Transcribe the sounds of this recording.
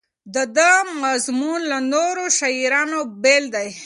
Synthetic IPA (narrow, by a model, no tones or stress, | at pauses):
d̪əd̪əmazmunlanoɾoʃaiɾɑnobeld̪aj